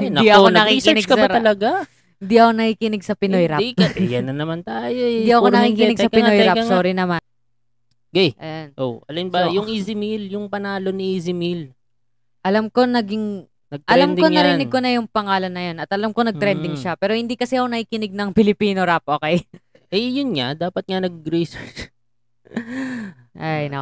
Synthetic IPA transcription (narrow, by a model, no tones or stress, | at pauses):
hɪnɐiʔɐkonɐkisɪɪɡkɐbɐɾt̪ɐlɐɡa | hɪnd̪iʔɐko̞nɐkiːkɪnɪɡ̚sɐpɪnojɾakɐɛjɐnɐnɐmant̪aːjoɪɛdd̪iʔɐkonɐkiːkɪnɪɡsɐpɪojɾaɐsoːɾɪnɐman | ɡɛjʔɐjanʔoʔɐlɐnbɐjʊŋʔizɪmiljʊŋpɐnaːlo̞niizɪmil | ʔɐlamko̞nɐɡɪŋ | nɐɡ̚t̪ʔɐlamnd̪koŋɐɾɪnɪɡ̚ko̞nɐjʊŋpɐŋaːlɐnːɐjo̞nɐt̪ʔɐlamko̞nɐɡ̚t̪ɾɛnd̪ɪŋʃapɛːɾo̞hɪnd̪ikɐsɛɐkonɐhiːkɪnɪɡ̚nɐŋpɪlɪpiːno̞ɾap̚ʔoːkej | ʔɛjʊnŋad̪aːpɐt̪̚ŋanɐɡ̚ɾisɛt͡ʃ | ʔajnɐ